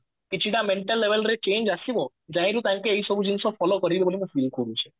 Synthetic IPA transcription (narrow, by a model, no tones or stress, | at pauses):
kit͡ʃʰiɽameɳʈəlːeʋelɾet͡ʃeɲd͡ʒasibɔ | d͡ʒãĩɾũt̪ãŋkeːisɔbʱud͡ʒinsɔpʰɔlokɔɾibebolimũfʰilkʰoɾũt͡ʃʰe̥